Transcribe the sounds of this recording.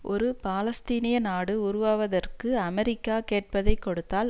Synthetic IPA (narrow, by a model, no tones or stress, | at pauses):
ʔɔɾɯpaːlɐst̪iːnɪjɐnaːɽɯʊɾʊʋaːʋɐðɐrkɯɐmɛɾɪkːaːkeːʈ̚pɐðɐɪkːɔɽɯt̪ːaːl